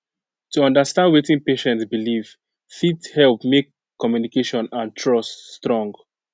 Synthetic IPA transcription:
tuʌ̃ndəstãndwetĩnpeʃɛ̃ntsbiliv̥ | fithɛlpmekː | ɔmjunikeʃɔ̃nãntʰɹɔststɹɔ̃ŋɡ

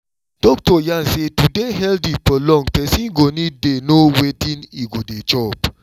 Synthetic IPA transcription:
d̥ɔktɔjãnsetudeɦɛldipəlɔ̃ŋɡpɛsĩnɡonĩdenowetĩniɡodet͡ʃɔp

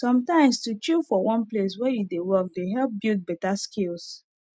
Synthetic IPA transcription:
sɔ̃mtãɪ̃mstut͡ʃufɔwʔɔ̃nples̬wɛjudewɔk̚deɦɛlp̚bilt̚bɛtaskils

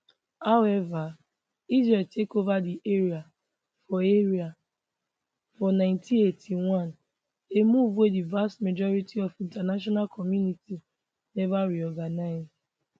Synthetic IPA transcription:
haʊɛva | izɹeltʰekovadiʔeɾia | fɔeɾia | fɔnãɪ̃ntʰĩetʰiwãn | emuvwedivastmed͡ʒɔɾitiɔfĩntanaʃ̬ɔnalkʰɔmjuniti | nɛvaɾiɔɡanaɪz

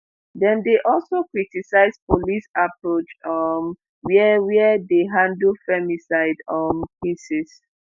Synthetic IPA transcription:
dɛ̃ndeʔɔlsokɹitisaɪspolisapɹot͡ʃɔm | wɛwɛdeɦãndlfɛmisaɪdɔ̃mkʰisɛs

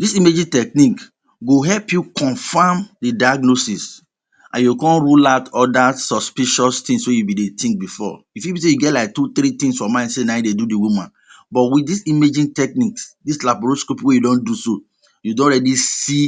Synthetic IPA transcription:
disimed͡ʒĩntɛk̚nik | ɡoɦɛlpjukʰɔ̃nfamdidajaɡnosis | ʔã̰jukɔ̃nɹulaʊtɔdasɔspiʃɔstĩŋswejubĩdetĩŋk̚bifɔ̰ | ifjibĩs̬ejuɡɛtlaɪk̚tut̪ɾit̪ĩŋsfɔmãnsenãdedudiwumãn | bɔtwit̚disimed͡ʒĩntɛk̚niksdislabɹoskopwejudɔ̃nduso | judõnɹɛdisi

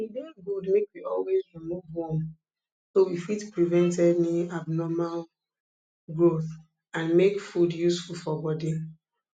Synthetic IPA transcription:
widɛɡudmekwiʔɔlwezɹimuvhɔ̃m | sowifitpɹivɛ̃ntɛdniabnɔmal | ɡɹoθ | ãnmekfudjusfulfɔbɔdi

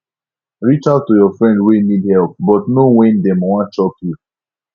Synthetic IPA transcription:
ɹit͡ʃatujɔfɹɛ̃ndwenidhɛlˠp̚bɔtnowɛ̃ndɛ̃mwãt͡ʃɔkju

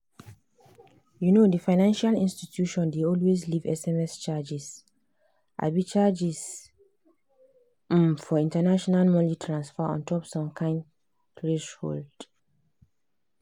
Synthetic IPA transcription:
junodifaɪnãnʃalĩnstitʰjuʃɔ̃ndeɔlweslivɛsɛmɛst͡ʃad͡ʒis | ʔa̰bit͡ʃad͡ʒis | mfɔĩntanaʃɔnalmɔ̃litʰɹãnsfɔɔ̰̃ntʰɔpsɔ̃mkʰãɪ̃nd | tɹeʃho̰ld

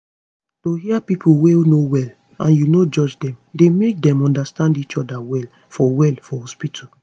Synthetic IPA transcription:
tohiapipʰuwenowɛl | ãnjunod͡ʒɔd͡ʒdɛ̃mdemek̚dɛ̃mɔ̃ndastãndit͡ʃɔdawɛl | fɔwɛlfɔhɔspitʰɔ

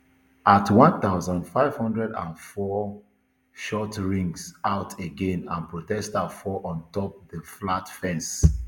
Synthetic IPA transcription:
atwɔ̃nθaʊzɔ̃ndfaɪv̥hɔ̃ndɹɛdã̰nfɔ | ʃɔtɹĩŋɡsaʊtʰeɡẽnãnpɹotɛstafɔʔɔ̃ntɔp̚ðəflatfɛ̃ns

